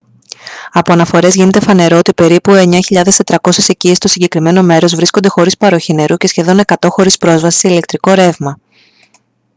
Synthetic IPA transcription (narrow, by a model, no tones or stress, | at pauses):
ɐpo̞ɐnɐfo̞ɾe̞zʝine̞t̪e̞fɐne̞ɾo̞ot̪ipe̞ɾipue̞ɲɐçiʎɐðe̞st̪e̞t̪ɾɐko̞sese̞cist̪o̞siɲɟekɾime̞no̞me̞ɾo̞zvɾiskond̪e̞xo̞ɾispɐɾo̞çine̞ɾuce̞sçe̞ðo̞ne̞kɐt̪o̞xo̞ɾispɾo̞zvɐsi̥seile̞k̚t̪ɾiko̞ɾe̞vmɐ